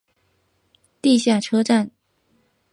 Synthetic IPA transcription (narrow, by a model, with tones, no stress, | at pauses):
t̪i˥˧ɕja˥˩ʈ͡ʂʰɤ˥ʈ͡ʂa˥˩n